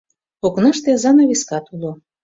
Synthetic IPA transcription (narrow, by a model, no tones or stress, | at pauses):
oknɑʃt̪ezɑnoβʲiskɑt̪ulo